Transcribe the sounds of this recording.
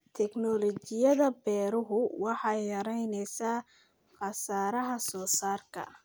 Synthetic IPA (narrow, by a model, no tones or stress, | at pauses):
t̪ʰɛknɔlɔt͡ʃɪjɐðɐbɛːɾʊɦʊwɑħɑjjɐɾɛjnɛjsaː | χɑsaːɾɐɦɐsɔːsaːrkʰɐ̰